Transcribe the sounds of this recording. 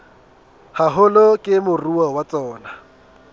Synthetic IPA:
haɦʊlokʼɪmʊruwawat͡sʼɔːna

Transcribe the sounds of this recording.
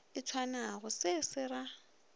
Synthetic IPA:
ɪt͡sʰwanaɣʊsɪsɪɾa

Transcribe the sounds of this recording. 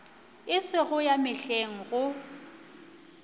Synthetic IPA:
ɪsɪɣʊjamɪɬeŋ̩ɣʊ

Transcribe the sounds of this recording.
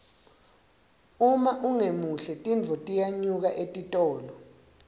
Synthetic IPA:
umaʔuŋemuɬɛtʼind͡vʱɔtʼijaɲuk̬aʔetʼitʼɔːlɔ

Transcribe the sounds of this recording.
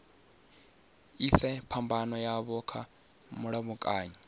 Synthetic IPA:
isɛpʰambanɔjaβɔkʰa | muɺaβukʼaːɲa

